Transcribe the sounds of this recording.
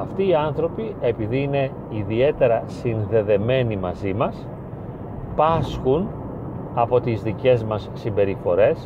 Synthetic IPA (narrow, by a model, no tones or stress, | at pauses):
ɐft̪iːɐnθɾo̞pie̞piðiːne̞ | iðie̞t̪e̞ɾɐsinðe̞ðe̞me̞nimɐzimɐs | pɐsxun | ɐpo̞t̪izðice̞zmɐsːimbe̞ɾifo̞ɾe̞s